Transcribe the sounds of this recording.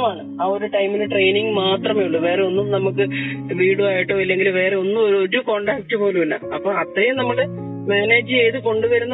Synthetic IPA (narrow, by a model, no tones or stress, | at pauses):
maːɳɨaːo̞ɾuʈɐjmineʈre̞jniŋɡmaːt̪rɐme̞juɭːuʋe̞ːre̞o̞nːumnɐmukːɨʋiːɽuaːjiʈːoilːe̞ŋɡilʋe̞ːreo̞nːumoɾoɾuko̞ːɳɖaːk̚tːɨpo̞ːluunːa̰ɐpːoːɭɐt̪rɐjumnɐmːɐɽe | maːneːd͡ʑːɨeːjðɨko̞ɳɖuʋɐɾunːɐ